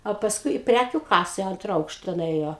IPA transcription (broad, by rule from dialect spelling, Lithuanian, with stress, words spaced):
oː pɐsˈkʊɪ ɪ ˈpʲrʲækʲʊ ˈkɑːsɐ ɪ ˈɐntrɐ ˈɐʊkʃtɐ nʊˈeːjoː